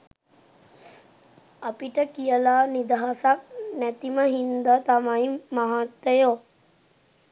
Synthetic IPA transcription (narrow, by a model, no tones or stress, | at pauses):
apiʈəkijəlaːnid̪aɦasak̚næt̪iməɦind̪ət̪amaimaɦat̪ːejo